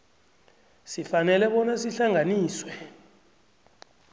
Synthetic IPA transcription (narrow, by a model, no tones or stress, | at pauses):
sifanɛlɛɓɔnasiɬaŋʱaniːswɛ